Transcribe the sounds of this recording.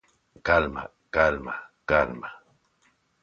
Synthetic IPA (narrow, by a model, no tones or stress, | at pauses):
kalma̰ | kalmakalma